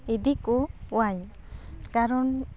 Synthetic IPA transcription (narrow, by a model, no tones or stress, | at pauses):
id̪ikɔuaɲ | kaɾɔn